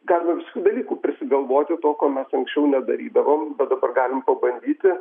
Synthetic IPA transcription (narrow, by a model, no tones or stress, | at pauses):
ɡɑːlʲɪmɐʋʲɪskʲuːd̪ɐlʲiːkuːpʲɾʲɪsʲɪɡɐlˠʋoːt̪ʲɪt̪oːkoːmʲɛsɐŋksʲt͡ʃʲɛʊnʲɛd̪ɐɾʲiːd̪ɐʋombʲɛt̪̚d̪ɐbɐrɡɑːlʲɪmpɐbɐnʲd̪ʲiːt̪ʲɪ